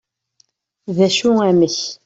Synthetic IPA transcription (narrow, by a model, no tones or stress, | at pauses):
ðæʃuæməç